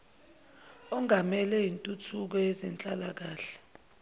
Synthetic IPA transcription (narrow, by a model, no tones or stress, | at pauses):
ɔŋamɛlɛintʼutʰuk̬ɔɛzɛnt͡ɬʼalak̬aːɬɛ̥